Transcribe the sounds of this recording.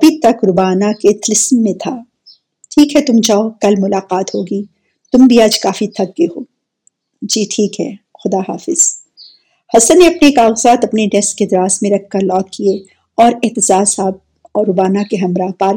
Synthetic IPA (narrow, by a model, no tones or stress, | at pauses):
ɐbʱit̪ɐkɾʊbaːnaket̪ʰɪlɪsmːẽt̪ʰaː | ʈʰiːkɦɛt̪ʊmd͡ʒaːokɐlmʊlaːqaːt̪ɦoːɡiː | t̪ʊmbʱiaːd͡ʒkaːfit̪ʰɐɡ̚ɡeɦoː | d͡ʒiːʈʰiːkɦɛ̰ːxʊd̪aɦa̰ːfɪz̥ | hɐsə̃nːeɐpnekaːɣəzaːt̪ɐpneɖɛsked̪ɪɾaːsmẽɾɐk̚ʰːɐɾlɔːk̚kie | ɔːɾɪɦt̪ɪzaːsaːb̚ | ɔːɾʊbaːnakeɦɐmɾaːpaːl